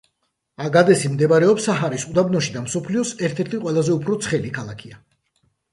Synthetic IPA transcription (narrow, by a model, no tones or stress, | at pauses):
aɡad̪ɛsimd̪ɛbaɾɛɔpsaɦaɾisud̪abnɔʃid̪amsɔpʰliɔsɛɾt̪ʰɛɾt̪ʰiqʼwɛlˠazɛupʰɾɔt̪sʰχɛlikʰalˠakʰia